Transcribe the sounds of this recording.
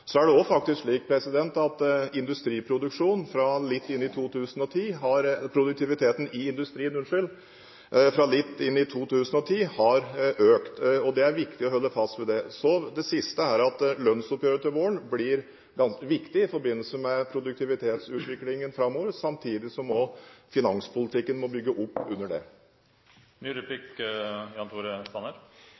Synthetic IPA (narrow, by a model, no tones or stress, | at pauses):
sɔæɖɛɔfɑkt̪ɪskʂliːk̚pʰɾɛsɪd̪ɛnt̪ɑt̪ɪnd̪ʉst̪ɾiːpʰɾʊd̪ʉkʂuːnfɾɑlɪt̪ːɪnːɪt̪ʰuːt̪ʰʉːsənɔt̪ʰiːɦɑɾpʰɾʊd̪ʉk̚t̪ʰɪʋɪt̪ʰeːt̪ən̩ɪɪnd̪ʉst̪ɾiːənʉnʂɪl | fɾɑlɪt̪ːɪnːɪt̪ʰuːt̪ʰʉːsənɔt̪ʰiːhɑɾøːkt̪ɔd̪ɛæɾʋɪkt̪ɪɔhɔlːəfɑst̪ʋɛd̪ɛsɔd̪ɛsɪst̪əæɾɑt̪lœnsʊpːjøːɾət̪ʰɪlʋoːəɳblɪɾ | ɡɑnsəʋɪkt̪ɪɪfɔɾbɪnːəlsəmɛpʰɾʊd̪ʉk̚t̪ʰɪʋɪt̪ʰeːt̪sʉːt̪ʋɪklɪŋənfɾɑmːoːʋəɾəsɑmt̪ʰiːd̪ɪsɔmɔfɪnɑŋspʰʊlɪt̪ʰɪkːənmɔbʏɡːəʔʊpːʉnːəɖɛ̰ | nyːɾpɪkjɑnt̪ʰuːɾəst̪ɑnːəɾ